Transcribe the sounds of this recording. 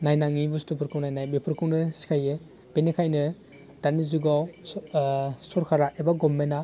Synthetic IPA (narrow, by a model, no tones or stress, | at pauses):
najnaŋibustupʰɯɾkʰɯwnajnajbepʰɯɾkʰɯwnɯsi̥kʰajɯ | b̥enikʰajnɯ | d̥anizuɡaw | suɾkʰaɾaʔebaɡɔmːena